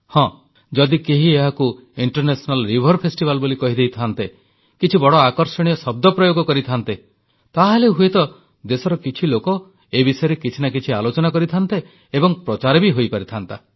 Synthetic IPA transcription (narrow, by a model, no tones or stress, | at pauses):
hɔ̃ | d͡ʒɔd̪ikeɦieɦaku | iɳʈɔɾnesɔnalɾibʱɔɾpʰesʈibalbolikɔɦid̪ejt̪ʰant̪e | kit͡ʃʰibɔɽɔakɔɾsɔɽ̃ijɔsɔb̚d̪ɔpɾɔjoɡɔkɔɾit̪ʰant̪e | t̪aɦeleɦuet̪ɔ | d̪esɔɾɔkit͡ʃʰilokɔ | ebisɔjɔɾekit͡ʃʰinakit͡ʃʰialot͡ʃɔnakɔɾit̪ʰant̪e | ebɔŋpɾɔt͡ʃaɾebiɦojpaɾit̪ʰant̪a